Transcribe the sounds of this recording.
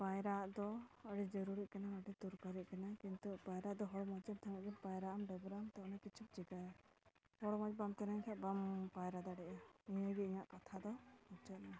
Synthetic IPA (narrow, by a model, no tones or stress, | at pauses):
pajɾaʔd̪ɔəɖid͡ʒɔɾuɾiʔkanaəɖit̪uɾkaɾiʔ̚kanakint̪upajɾaʔd̪ɔɦɔɽɔmɔd͡ʒɛb̚t̪ʰaŋɛʔ̚ɡɛnpajɾaʔamɖəɡɾamt̪ɔ̃nakit͡ʃʰup̚d͡ʒiɡaja | hɔɽɔmɔd͡ʒbamt̪ɛnaɲkʰɛʔbampajɾad̪aɖɛʔaiɲəɡɛiɲaʔkat̪ʰad̪ɔɔt͡ʃɔt̪̚na